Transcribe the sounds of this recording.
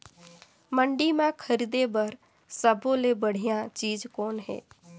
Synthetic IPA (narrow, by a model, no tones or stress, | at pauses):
məɳɖiːmãːkʰəɾid̪ebəɾ | səbõːlebəɽ̤ɪjãt͡ʃiːd͡ʒkoːnɦḛː